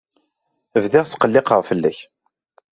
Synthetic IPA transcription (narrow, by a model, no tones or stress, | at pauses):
əvðɪʁsqəlːɪqəʁfəlːæç